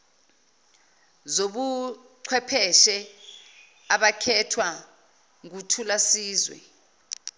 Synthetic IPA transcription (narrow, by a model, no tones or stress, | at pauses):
zoɓu | ǀʰwɛpʰɛʃɛ | aɓakʰɛtʰwa | ŋk̬utʰulasiːzwɛ̰